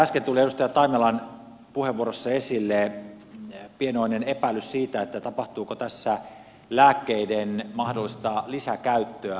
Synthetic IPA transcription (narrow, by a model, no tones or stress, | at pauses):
æskent̪ulieɾust̪ɑjɑt̪ɑimelɑn | puheʋːuoɾosːɑesilːe | pienoinenepæilyssiːt̪æet̪ːæt̪ɑpɑht̪uːkot̪æsːæ | læːkːeidenmɑhdolːˑist̪ɑlisækæyt̪ːøæ